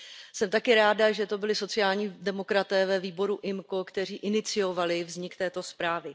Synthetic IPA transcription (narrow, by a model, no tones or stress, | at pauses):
sɛmt̪akɪɾaːdaʒɛt̪o̞bɪlɪso̞t͡sɪjaːlɲiːdɛmo̞kɾat̪ɛːvɛviːbo̞ɾuʔɪmko̞kt̪ɛr̝iːʔɪnɪt͡sɪjo̞valɪvzɲɪkt̪ɛːt̪o̞spɾaːvɪ